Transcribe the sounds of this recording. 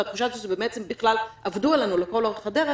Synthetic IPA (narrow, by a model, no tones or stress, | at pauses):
at̪χuʃazoʃebemɛt͡sembiχlalavd̪uelanulekolod̪χad̪eʁe